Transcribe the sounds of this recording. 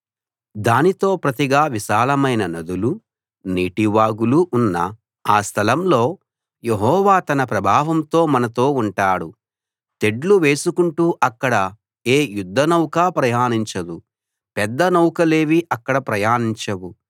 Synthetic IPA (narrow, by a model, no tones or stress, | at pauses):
d̪aːnit̪o̞ːpɾɐt̪iɡaːʋiʃaːlɐmɐjnɐnɐd̪ulu | niːʈiʋaːɡuluʔːnːɐ̰ | aːst̪ʰɐlɐmlo̞ː | jeɦɔːʋaːt̪ɐnɐpɾɐbʱaːʋɐmt̪o̞ːmɐnɐt̪o̞ːuɳʈaːɽu | t̪e̞ɖluʋe̞ːsukuɳʈuːʔɐkːɐɽɐ | eːjud̪ʱːɐnɐwkaːpɾɐjaːniɲt͡ʃɐd̪u | pɛd̪ːɐnɐwkɐle̞ːʋiʔɐkːɐɽɐpɾɐjaːniɲt͡ʃɐwu